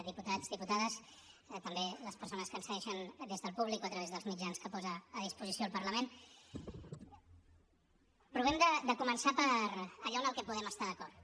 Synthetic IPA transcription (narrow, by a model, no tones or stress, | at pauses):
ðiput̪azðiput̪aðəs | t̪əmbeləspəɾsonəskənsəɣɛʃənd̪ezðəlˠpuβlikoət̪ɾəβezðəlˠzmid͡ʒanskəpɔzəːðispuzisioəlˠpəɾləmen | pɾuβɛmd̪əd̪əkumənsapəɾəʎɔnəlˠkɛpuðɛməst̪aðəkɔɾt̪